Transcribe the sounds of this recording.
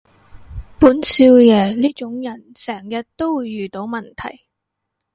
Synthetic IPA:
puː˨˥nsi˧wjɛː˨˧liː˥t͡ʃʊ˨˥ŋjɐ˨˩nsɛː˨˩ŋjɐ˨t̚t̪o˥wwuː˨˧jːyː˨˩t̪o˨˥wmɐ˨˩nt̪ʰɐ˨˩j

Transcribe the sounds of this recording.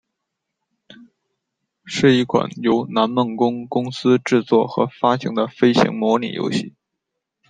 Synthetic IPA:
ʂɻ̩˥˩i˥˩kʰwa̰˨˩njo˧˥ʊna˧˥nmə˥˩ŋkʊ˥ŋkʊ˥ŋsɹ̩˥ʈ͡ʂɻ̩˥˧t͡swɔ˥˩xɤ˧˥fa˥ɕʰi˧˥ŋd̪ə˧fe˥ɪɕḭ˧˥ŋmwɔ˧˥nḭ˨˩jo̰˧˥ʊɕi˥˩

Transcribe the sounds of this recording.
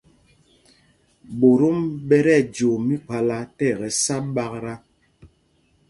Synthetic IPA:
bo˨ɾo˦mbɛ˦ɾɛ˦˨d͡ʒo˨mi˦ka˨la˦tɛ˦˨ɣɛ˨sa˦ɓa˦kɾa˦

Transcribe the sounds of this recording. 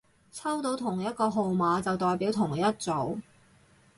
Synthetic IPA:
t͡sʰɐ˥wt̪o˨˧˥wt̪ʰʊ˨˩ŋjɐ˥t̚kɔː˧ɦo˨wmaː˨˧t͡sɐ˨wt̪ɔː˨jpiː˨˥wt̪ʰʊ˨˩ŋjɐ˥t̚t͡so˨˥w

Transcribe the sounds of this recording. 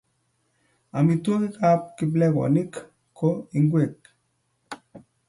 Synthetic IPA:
a˨mi˨two˦ki˦ka˦p̚ki˨˦b̬lɛ˦kwɔ̰˨ni˦k | kʰːo˦i˨ŋɡwe˨k̚

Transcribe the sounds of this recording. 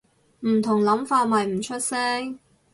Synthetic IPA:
m̩˨˩t̪ʰʊ˨˩ŋlɐ˨˥mfaː˧t̚mɐ˨jm̩˨˩t͡ʃʰɵ˥t̚sɛː˥ŋ

